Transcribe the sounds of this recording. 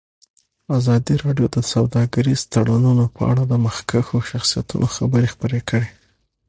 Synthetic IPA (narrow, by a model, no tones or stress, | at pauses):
azɑd̪iɾɑɖjod̪əsawd̪ɑɡaɾizt̪aɽanunopə̰a̰ɽad̪əməxkaxoʃaxsija̰t̪ṵnʔoxabəɾexpəɾekʰəɽe